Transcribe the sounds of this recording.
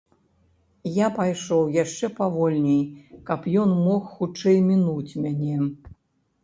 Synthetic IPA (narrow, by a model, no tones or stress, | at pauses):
japajʂɔwjaʂt͡ʂɛpavɔlʲnʲɛjkɐpjɔnmɔxxut͡ʂɛjmʲinut͡sʲmʲanʲɛ